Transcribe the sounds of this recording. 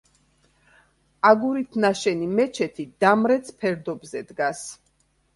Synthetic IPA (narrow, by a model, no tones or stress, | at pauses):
aɡuɾit̪ʰnaʃɛnimɛt͡ʃʰɛt̪ʰid̪amɾɛt̪sʰpʰɛɾd̪ɔbzɛd̪ɡas